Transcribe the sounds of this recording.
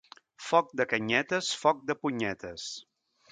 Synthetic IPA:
fɔk̚d̪əkəɲɛt̪əsfɔk̚d̪əpuɲɛt̪əs

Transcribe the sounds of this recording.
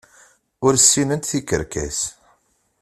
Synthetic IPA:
ʊɾsːinənt̪θikə̰ɾkæ̰s

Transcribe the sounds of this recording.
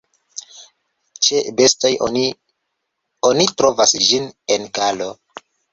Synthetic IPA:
t͡ʃebe̞stajoni | onitɾo̞vasd͡ʒine̞nkalo̞

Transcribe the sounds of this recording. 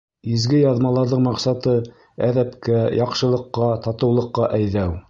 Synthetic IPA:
izɡɘjɑðmɑlˠɑɾðɤɴmɑqsɑt̪ɤ | æðæpkæjʔɑqʃɤ̆lˠɤ̆qːɑt̪ɑt̪ɤ̆wlˠɤ̆qːɑʔæjðæw

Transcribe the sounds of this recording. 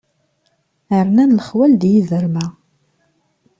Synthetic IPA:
əɾnænləχwæld̪jiðəɾmæ

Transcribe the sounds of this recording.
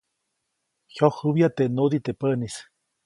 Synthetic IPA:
hjohɨβjat̪eʔnod̪it̪epənis

